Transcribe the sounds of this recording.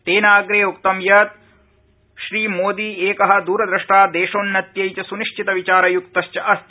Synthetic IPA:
t̪eːnaːɡɾeːuk̚t̪ɐmjɐt̪ | ʃɾiːmoːd̪iːeːkɐɦɐ̆d̪uːɾɐd̪ɾɐʂʈaːd̪eːʃoːnːɐt̪jɐjt͡ʃɐsuniʂt͡ʃʰit̪ɐʋit͡ʃaːɾɐjukt̪ɐʃt͡ʃjɐʔɐst̪

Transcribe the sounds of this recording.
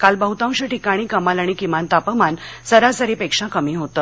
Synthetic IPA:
kalbəɦut̪ãw̃ɕəʈikaɽ̃iːkəmalaɽ̃ikimant̪apəmansəɾasəɾipekʂakəmiːɦot̪ə

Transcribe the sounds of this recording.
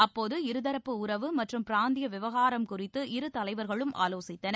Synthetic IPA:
ɐpːoːðɯɪɾɯðɐɾɐpːɯʊɾɐʋɯmɐʈrɯmpɪɾaːnd̪ɪjɐʋɪʋɐɣaːɾɐmkʊrɪt̪ːɯʔɪɾɯt̪ɐlɐɪʋɐɾɣɐɭɯmʔa̰ːloːsɪt̪ːɐnɐ

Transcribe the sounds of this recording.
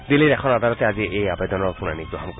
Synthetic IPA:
d̪iliɾɛkʰɔnad̪alɔt̪ɛaziʔejabɛd̪ɔnɔɹkuna̰niɡɹɔɦɔmk

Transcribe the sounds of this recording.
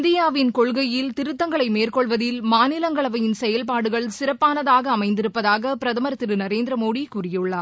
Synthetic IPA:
nd̪ɪjaːʋɪnkɔɭɣɐjjɪlt̪ɪɾɯt̪ːɐŋɡɐɭɐɪmeːrkɔɭʋɐðɪlmaːnɪlɐŋɡɐɭɐʋɐjɪnsɛjɐlpaːɽɯɣɐɭsɪrɐpːaːnɐðaːɣɐːmɐɪnd̪ɪɾɯpːɐðaːɣɐpɪɾɐðɐmɐɾɐt̪ːɪɾɯnɐɾeːnd̪ɾɐmoːɽikurɪjɯɭːɐ

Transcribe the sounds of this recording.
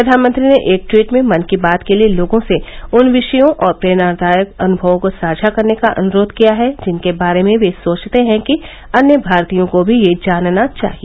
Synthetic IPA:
pɾɐd̪ʱaːnmə̃nt̪ɾineʔeːk̚ʈwiːʈmẽmɐnkibaːt̪kelieloːɡõseʊnʋɪʃəjõʔɔːɾpɾeːnaːɾd̪ʱaːjəkɐnʊbʱəʋõkosaːd͡ʒʱakɐɾnekaʔɐ̰nʊɾoːd̪ʱkijaɦɛd͡ʒɪnkebaːɾemẽʋesoːt͡ʃt̪eɦɛ̃ki | ɐnjəbʱaːɾt̪ijõkobʱijed͡ʒaːnnat͡ʃa̰ːɦie

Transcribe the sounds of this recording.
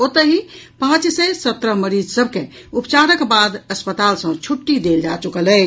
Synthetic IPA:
ot̪əɦipãt͡ʃsəsət̪ɾəɦməɾid͡ʒsəbʱke | upt͡ʃaɾəkbad̪əspət̪alsə̃t͡ʃʰuʈːid̪eld͡ʒat͡ʃukələ

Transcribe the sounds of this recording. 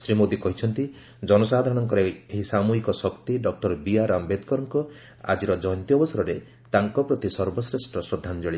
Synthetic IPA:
sɾimod̪ikɔɦit͡ʃʰɔnt̪i | d͡ʒɔnɔsad̪ʱaɾɔɽ̃ɔŋkɔɾeeɦisamuɦikɔsɔkt̪iɖɔk̚ʈɔɾbijaɾambed̪kɔɾɔŋkɔ | a̰d͡ʒiɾɔd͡ʒɔjɔnt̪iɔbɔsaɾɔɾe | t̪aŋkɔpɾɔt̪isɔɾbɔsɾesʈɾɔsɾɔd̪ʱːand͡ʒɔɭi

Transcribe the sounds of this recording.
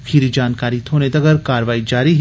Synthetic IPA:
kʰiːɾid͡ʒaːnkaːɾit̪ʰoːnet̪ɐɡəɾkaːɾʋaːid͡ʒaːɾiɦ

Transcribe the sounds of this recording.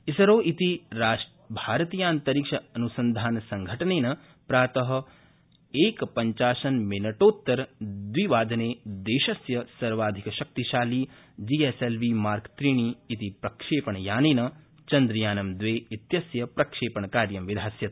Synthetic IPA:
isɐɾoːʔit̪iɾaːʃ | bʱaːɾɐt̪iːjaːnt̪ɐɾiːkʂɐɐnusɐnd̪ʱaːnɐsɐŋɡʱɐʈɐneːnɐ | pɾaːt̪ɐɦɐ̆ | eːkpɐɲt͡ʃaːʃɐnminɐʈoːt̪ːɐɾd̪ʋiʋaːd̪ʱɐneːd̪eːʃɐsjɐsɐɾʋaːd̪ʱikɐʃɐk̚t̪iʃaːliː | d͡ʒieselʋimaːɾkt̪ɾiːɳiːt̪ipɾɐkʂeːpɐɳɐjaːneːnɐ | t͡ʃɐnd̪ɾɐjaːnɐmd̪ʋeːit̪jɐsjɐpɾɐkʂeːpɐɳɐkaːɾjɐmʋid̪ʱaːsjɐt̪

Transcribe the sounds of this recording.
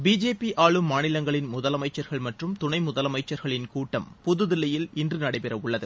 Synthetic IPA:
biːd͡ʒeːpiʔʔaːɭɯmːaːnɪlɐŋɡɐɭɪnmʊðɐlɐmɐɪt͡ʃːɐɾɣɐɭmɐʈrɯmt̪ʊɳɐɪmʊðɐlɐmɐɪt͡ʃːɐɾɣɐɭɪnkuːʈːɐmpʊðɯðɪlɐjɪlɪndrɯnɐɽɐɪpɛɾɐʋʊɭːɐðɯ

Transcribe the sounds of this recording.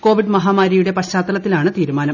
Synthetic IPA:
ko̞ːʋiɖmɐɦaːmaːɾijuɽe̞pɐɕaːt̪ːɐlɐt̪ːilaːɳɨt̪iːɾumaːnɐm

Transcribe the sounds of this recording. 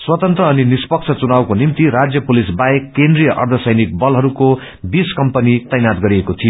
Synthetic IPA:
swʌt̪ʌnt̪rʌːninispʌk̚t͡sʰʌt͡sunawkonimt̪iɾad͡zjʌpulisbaekːend̪rijʌʔʌ̰rd̪ʱʌsʌjnik̚bʌlɦʌɾuko | biskʌmpʌnit̪ʌjnat̪̚ɡʌɾiekot̪ʰijo

